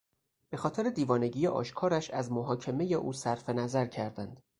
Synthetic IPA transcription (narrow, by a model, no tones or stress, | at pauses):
b̥e̞xɒːt̪ʰe̞ɾed̪iːvɒːne̞ɟijeʔɒ̰ːʃkʰɒːɾæʃæzmoɦɒːcʰe̞me̞je̞ʔṵːsæɾfe̞næzæɾcʰæɾd̪ænd̪̥